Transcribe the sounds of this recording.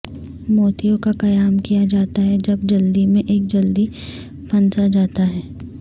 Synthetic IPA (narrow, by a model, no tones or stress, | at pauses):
moːt̪ijõkaqɐjaːmkijad͡ʒaːt̪aɦɛd͡ʒɐbd͡ʒɐld̪imẽʔeːk̚d͡ʒɐld̪i | pʰɐ̃nsad͡ʒaːt̪aɦɛː